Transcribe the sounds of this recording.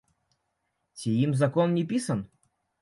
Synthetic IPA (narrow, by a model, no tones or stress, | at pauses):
t͡sʲiimzɐkɔnnʲipʲisɐn